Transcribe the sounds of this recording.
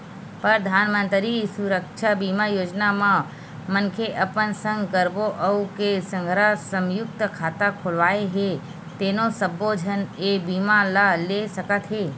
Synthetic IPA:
pəɾd̪ʱaːnmə̃nt̪ɾisuɾəkʃʰabimajoːd͡ʒnamã | mənkʰeʔəpənsə̃ŋɡkəɾboʔəukesə̃ŋɡʱɾasəmjʊk̚t̪əkʰaːt̪akʰʊlʋaːeɦe | t̪eːnosəbod͡ʒʱənebiːmalalesəkət̪ɦeː

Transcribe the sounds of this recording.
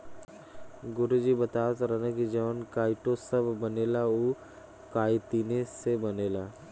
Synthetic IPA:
ɡʊɾud͡ʒibət̪aːt̪ɾənəkid͡ʒɐʋənkaːɪʈosɐbːəneːlauː | kaːit̪iːnesebɐneːlaː

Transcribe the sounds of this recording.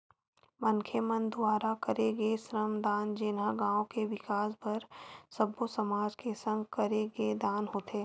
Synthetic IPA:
mɐnkʰemənd̪ʊaːɾakɐɾeɡesɾəmd̪aːnd͡ʒɪnaɡãːõkeʋɪkaːspɐɾsɐbosɐmaːd͡ʒkesə̃ŋɡkɐɾeɡed̪aːnɦoːt̪ʰeː

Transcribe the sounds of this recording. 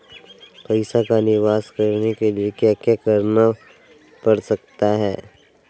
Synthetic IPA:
pɐɪsakanɪʋaːskɐɾnekeliekjakjakəɾna | pɐɽsɐk̚t̪aɦɛː

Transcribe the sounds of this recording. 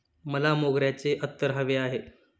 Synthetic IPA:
məlamoɡɾjat͡seʔət̪ːəɾɦəʋeaɦe

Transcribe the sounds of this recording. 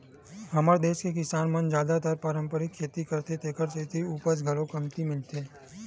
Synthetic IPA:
ɦɐmaːɾd̪eːʃkek̬ɪsaːnmɐnd͡ʒjaːd̪at̪aɾpaːɾə̃mpəɾɪkʰːeːt̪ikɐɾt̪et̪ʰeːkəɾset̪ʰiuːpəs̬ɡʱɐlõkɐmt̪imɪlt̪eː

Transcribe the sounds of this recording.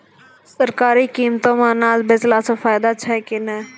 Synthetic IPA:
səɾkaːɾiːkiːmt̪õːmãːnaːlbɪzlaːsofʰaːjd̪aːt͡ʃʰɛːkɪnɛː

